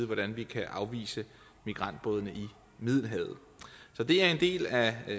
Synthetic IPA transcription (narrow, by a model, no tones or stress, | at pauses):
ðˠʋɒɾ̥ænʋikʰæʔɑ̈ʊʋḭːsə | miɡ̥ʁɑ̈n̰d̥̚b̥ɔːðˠənəʔi | mið̞̰ˠl̩ɦɛːð̩ˠ | sɒ̽d̥e̝æɐe̝nd̥e̝̰ːlæ